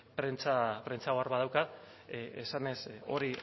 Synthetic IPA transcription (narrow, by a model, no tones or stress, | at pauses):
pɾent͡sapɾe̞nt͡saoaɾβaðawkat | esane̞so̞̰ɾi